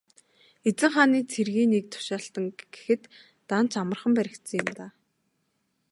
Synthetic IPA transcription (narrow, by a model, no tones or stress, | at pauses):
et͡sɘ̆ŋχaːniːt͡sʰerɣiːnik̚t̪ʰʊ̥ʃaːɬt̪ə̆ŋɡ̥e̥xɘ̆t̪ː | an̥t͡ɕamə̆rχə̆mpæɾʲɪ̆k̚t̪sə̆ŋjɪ̆mt̪aː